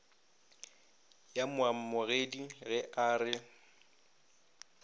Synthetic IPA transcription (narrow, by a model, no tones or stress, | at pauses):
jamʊam̩mʊɣediɣɛʔaːrɪ